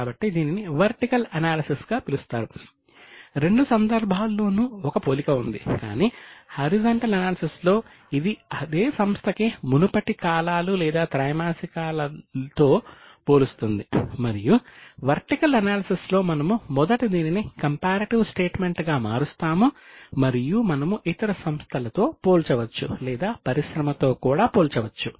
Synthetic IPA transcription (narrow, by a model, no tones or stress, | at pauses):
aːbɐʈːid̪iːniniʋɐɾʈikɐlɐnaːlɐsisɡaːpilust̪aːɾu | ɾe̞ɳɖusɐnd̪ɐɾbʱaːlːo̞ːnuːɔkɐpoːlikɐund̪ika̰ːniːhɐɾid͡ʒɐɳʈɐlɐnaːlɐsislo̞ː | id̪iɐd̪e̞ːsɐmst̪ʰɐkimunupɐʈikaːlaːlulɛːd̪aːt̪ɾɐjmaːsikaːlɐt̪o̞ː | poːlust̪und̪imɐɾijuʋɐɾʈikɐlɐnaːlɐsislo̞ːmɐnɐmumɔd̪ɐʈid̪iːninikɐmpaːɾɐʈiʋsʈe̞ːʈmeɳʈɡaːmaːɾust̪aːmumɐɾijumɐnɐmuʔit̪ɐɾɐsɐmst̪ʰɐlɐt̪o̞ːpoːlt͡ʃɐʋɐt͡ʃːṵlɛːd̪aːpɐɾiʃɾɐmɐt̪o̞ːkuːɽaːpoːlt͡ʃɐʋɐt͡ʃːu